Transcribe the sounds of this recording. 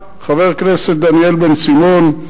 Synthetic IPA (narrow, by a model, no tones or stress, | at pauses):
χaveʁknesetd̪anielbensimon